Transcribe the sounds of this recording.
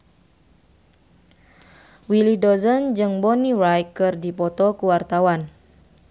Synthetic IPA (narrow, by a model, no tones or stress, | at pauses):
wilidɔzənd͡ʒɨŋbɔniɾajkɨrdipɔt̪ɔkuwart̪awan